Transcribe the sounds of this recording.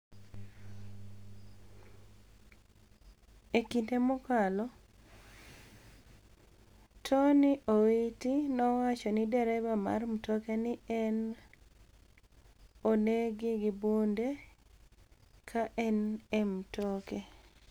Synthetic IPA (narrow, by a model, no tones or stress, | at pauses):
ekintemʊkalɔ | tʰɔnɪʔowitinɔwat͡ʃɔnidɛɾɛbama̰rmtokenɪɛn | oneɡɪɡɪbunde | kʰaʔɛnemtoke